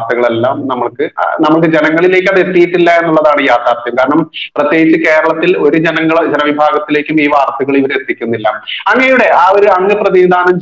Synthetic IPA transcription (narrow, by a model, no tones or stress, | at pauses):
t̪ɐɣɐɭe̞lːaːmnɐmːɐɭkɨnɐmːɐɭk̬ɨd͡ʑe̞nɐŋːɐɭile̞ːk̬ʲːɐðet̪ːijiʈːilːɐe̞nːuɭːɐðaːɳɨjaːt̪aːrt̪jɐmkaːɾɐɳɐmprɐt̪je̞ːɡit͡ɕːɨke̞ːɾɐɭɐt̪ːilo̞ɾud͡ʑenɐŋːɐɭd͡ʑenɐʋibʱaːɡɐt̪ːile̞ːkʲːumiːʋaːrt̪ɐɣɐɭiʋɐɾet̪ːikʲːunːilːɐɐŋːɐnejuɽe̞ʔaːo̞ɾuɐŋːɨprɐðiid̪ʱaːɳum